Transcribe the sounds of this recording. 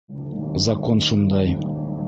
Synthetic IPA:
zakonʃund̪ɑj

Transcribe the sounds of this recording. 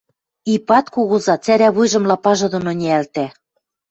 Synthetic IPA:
ipɑt̪kuɣɤzɑt͡sæɾæβujʒɤ̆mlɑpɑʒɤ̆d̪ŏnŏnʲiælt̪æ

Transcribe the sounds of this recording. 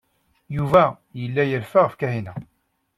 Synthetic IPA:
juvæ | jəlːæjəɾfaʁəfkæhinæ

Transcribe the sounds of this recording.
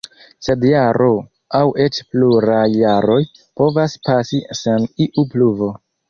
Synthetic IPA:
se̞djaɾʔo̞ | awʔe̞t͡ʃpluɾajːaɾo̞j | po̞vaspasiseniʔupluvo̞

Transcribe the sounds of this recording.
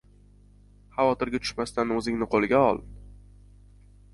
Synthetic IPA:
hɑvɒt̪ɪɾɡʲat̪ʰʊ̥ʃmast̪anɵzɪŋnɪqʰolɪɡʲaɒ̰lˠ

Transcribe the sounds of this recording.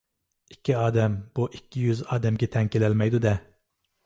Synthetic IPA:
ikʲʰːiɑːd̪ɛmbuʔikʲʰːijyzɑːd̪ɛmɡʲɛt̪ʰɛŋkʲʰelɛlmɛjd̪ud̪ɛ

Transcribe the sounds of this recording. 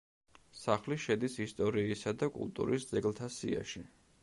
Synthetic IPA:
saχliʃɛd̪isist̪ʼɔɾiːsad̪akʼṵlˠt̪ʼṵɾisd̪zɛɡlˠt̪ʰasḭa̰ʃi

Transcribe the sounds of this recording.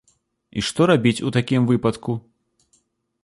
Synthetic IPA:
ḭʂt̪ɔɾabʲit͡sʲut̪akʲimvɨpɐt̪ku

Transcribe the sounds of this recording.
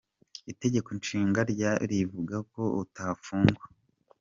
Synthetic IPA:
ite̞ɟe̞konʃiːŋɡaɾɟaɾivuɡako̞utafuːŋɡwa

